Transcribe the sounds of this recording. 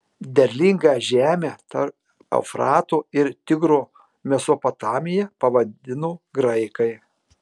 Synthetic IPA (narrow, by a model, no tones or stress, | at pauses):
d̪ʲɛɾʲlʲɪŋɡɑːʒʲæːmʲæːt̪ɐɾ | ɐ̰ʊfɾɑːt̪oːɪɾt̪ʲɪɡɾoː | mʲɛsoːpot̪ɑːmʲɪjɛpɐʋɐd̪ʲɪnoːɡɾɐɪkɐɪ